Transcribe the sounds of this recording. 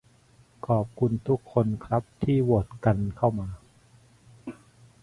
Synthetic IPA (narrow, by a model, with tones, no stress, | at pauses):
kʰɔː˨˩p̚kʰu˧nt̪ʰu˦˥kʰːo˧nkʰɾa˦˥p̚t̪ʰiː˥˩wo˨˩t̪̚ka˧nkʰa˥˩wmaː˧